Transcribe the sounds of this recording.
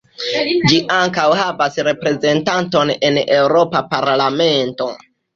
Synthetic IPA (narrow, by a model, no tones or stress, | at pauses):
d͡ʒiʔaŋkawhavasɾe̞pɾe̞ze̞ntanto̞ne̞ne̞wɾo̞papaɾlame̞nto̞̰